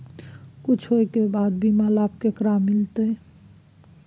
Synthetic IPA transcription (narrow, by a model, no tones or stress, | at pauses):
kut͡ʃʰojkebad̪̚bimalap̚kekɾamːilt̪ej